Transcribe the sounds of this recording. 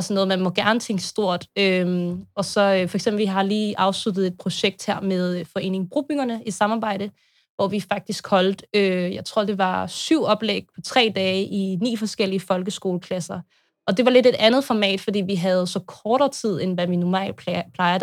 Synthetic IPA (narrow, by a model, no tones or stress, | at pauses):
sɒnːɔð̩ˠmænmɔ̽ɡ̥æɐnət͡sʰeŋ̰ɡ̥əsd̥o̝ɐ̰d̥øɒ̽sɒ̽fɒɐeɡ̥semb̥l̩ʋiɦɑ̈liːʔɑ̈ʊslud̥ð̞̩ˠe̝d̥̚pʰʁo̝ɕeɡ̥̚d̥heɐ̰með̞ˠfɒ̽e̝̰ːne̝ŋb̥ʁṵːb̥yŋɐnəisɑ̈mɑ̈ːb̥ɑ̈ɪ̰d̥ə | ʋɒʋifɑ̈ɡ̥̚d̥isɡ̥hɒ̽ld̥øjɑ̈ɪt͡sʰʁo̝ɐ̰d̥e̝ʋɑ̈syʊ̰ɒ̽b̥leɡ̥̚pʰɒ̽t͡sʰʁɛ̰ːd̥ɛːʔinḭːfɒ̽sɡ̥el̰iəfɒ̽lɡ̥əsɡ̥o̝ːləkʰlæsɐ | ɒ̽d̥e̝ʋɑ̈le̝de̝d̥ænð̞̩ˠfɒmɛ̰ːd̥fɒ̽d̥ḭːʋiɦæð̞̩ˠsɒ̽kʰɒːɾɐːt͡sʰið̞̰ˠenʋæminumɛ̰lpʰlɑ̈ɪɐ